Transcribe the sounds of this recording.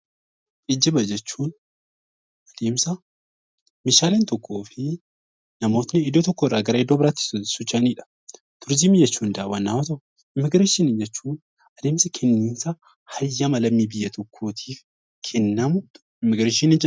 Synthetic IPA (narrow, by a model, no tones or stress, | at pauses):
ʔɪd͡ʒːɐbɐd͡ʒɛt͡ʃːuːn | ɐd̪eːmsɐ | mɪʃaːleːnt̪ɔkʰːo̞ːfɪ | nɐmo̞ːt̪nɪɪd̪ot̪ɔkːɔɪrːaːɡɐɾɐed̪ːoːbɪɾaːt̪ːɪ̥ssʊt͡ʃːɐniːᶑɐ̥ | t̪ʊɾzimɪd͡ʒɛt͡ʃːuːnd̪ɐːbɐnːaːmɐt̪ɐʔʊ | ɪmːɪɡɾeːʃinind͡ʒɛt͡ʃːuːn | ɐd̪e̞ːmsɐkʰɛnːiːnsɐ | hɐjːɐmɐlɐmːiːbɪjːɐt̪ʰɔkʰːoːt̪ʰiːf | kʰɛnːɐmʊ | ɪmːɪɡɾeːʃinɪnd͡ʒɪ